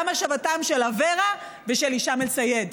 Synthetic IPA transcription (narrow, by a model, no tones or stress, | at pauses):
maʃavatamʃelaveʁa | veʃeliʃamelt͡sajed